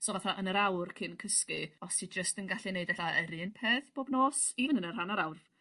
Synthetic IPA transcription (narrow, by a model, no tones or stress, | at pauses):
soɔvaθaʔənəɾawrkʰɪnkʰəskɨɔsʰid͡ʒəstənɡaɬineɨdɛɬaəɾiənpʰeːθb̥oːbnoːsivɪnənənr̥anaɾawrv